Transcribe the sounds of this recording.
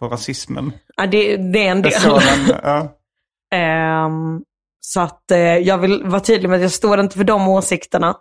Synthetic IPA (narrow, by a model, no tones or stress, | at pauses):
fɔɾasɪsmə̰n | ad̪ɛd̪ɛæɛnd̪eːlɛn̰ɑː | sɔat̪jɑːɡvɪlvaʈʰyːd̪lɪɡmɛat̪jɑːɡst̪oːɾɪnt̪əfœɖɔmoːsɪkt̪əɳa